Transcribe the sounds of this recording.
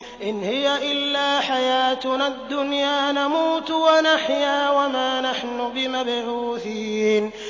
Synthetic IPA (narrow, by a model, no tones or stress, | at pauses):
ʔɪnhɪjaʔɪlːaːħajaːt̪nad̪ːʊnjaːnamuːt̪wanaħjaːwamaːnaħnʊbɪmabʕuːθiːn